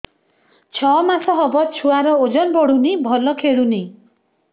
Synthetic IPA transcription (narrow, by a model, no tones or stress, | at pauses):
t͡ʃʰɔmasɔɦɔbɔt͡ʃʰuaɾɔod͡ʒɔnbɔɽunibʱɔlɔkʰeɽuni